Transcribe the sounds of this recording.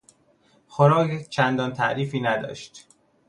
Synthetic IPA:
xoɾɒːkt͡ʃʰænd̪ɒːnt̪ʰæʔɾiːfiːnæd̪ɒ̰ːʃt̪

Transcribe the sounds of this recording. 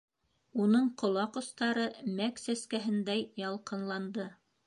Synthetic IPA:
unɤɴqŏlˠɑqŏst̪ɑɾɤmæksæskæɦɘ̆nd̪æjjɑlˠqɤ̆nlˠɑnd̪ɤ

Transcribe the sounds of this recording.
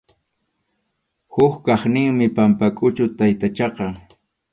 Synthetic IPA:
hʊkkɑχnɪŋmɪpampakʼʊt͡ʃʊt̪ajt̪at͡ʃɑqɑ

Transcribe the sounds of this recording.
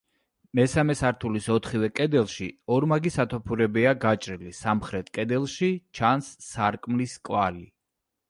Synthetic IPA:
mɛsamɛsaɾt̪ʰulisɔt̪ʰχivɛkʼɛd̪ɛlˠʃiɔɾmaɡisat̪ʰɔpʰuɾɛbiaɡat͡ʃʼɾilisamχɾɛt̪ʰkʼɛd̪ɛlˠʃit͡ʃʰansːaɾkʼmliskʼwali

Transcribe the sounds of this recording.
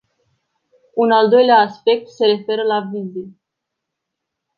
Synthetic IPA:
unald̪o̞jleaːspe̞k̚t̪se̞ɾe̞fe̞ɾəlavinzi

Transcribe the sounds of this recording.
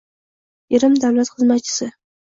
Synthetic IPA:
eɾɪmd̪awlat̪χɨzmat̪̚t͡ʃʰɪ̥sɪ

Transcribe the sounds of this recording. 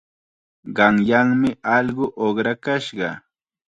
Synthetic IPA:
ɢɑŋjaŋmɪʔɑʎɢʊʔoχɾakaʃɢɑ

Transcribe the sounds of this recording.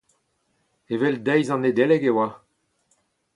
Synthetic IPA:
evɛld̪ɛjzɑ̃ned̪elɛɡewa

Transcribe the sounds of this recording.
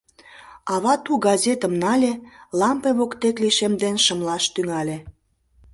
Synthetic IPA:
ɑβɑt̪uɡɑzʲet̪əmnɑlʲelɑmpeβokt̪ekliʃemd̪enʃəmlɑʃt̪yŋɑlʲe

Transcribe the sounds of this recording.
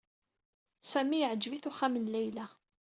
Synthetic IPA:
sæmiəʕəd͡ʒviθuχæmənlæjlæ

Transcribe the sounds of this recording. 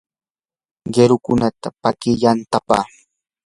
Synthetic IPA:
ɢeɾʊkʊnat̪apakɪjant̪apa̰ː

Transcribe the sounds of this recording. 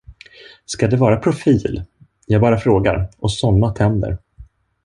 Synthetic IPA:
skad̪ɛvɑːɾapʰɾʊfiːl | jɑːɡbɑːɾafɾoːɡa̰ɾʔɔsɔnːat̪ʰɛnd̪ə̰ɾ

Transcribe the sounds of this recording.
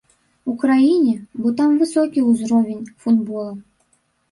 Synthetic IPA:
ukrainʲɪbot̪ɑmvɨsokʲijuzrovʲɪnʲfud̪bolˠə

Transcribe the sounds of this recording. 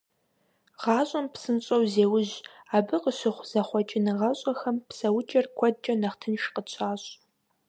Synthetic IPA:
ʁɑːɕʼɐmpsɨnɕʼɐwzeːwʊʑ | aːbɨqəɕɪχʷz̥ɐχʷɔt͡ʃʼɪnɨʁɐɕʼɐxɐmpsɐwʊt͡ʃʼɐrkʷʰɔd͡ʒʼɐnɐχtʰɨnʃqət͡ɕʷʰaːɕʼ

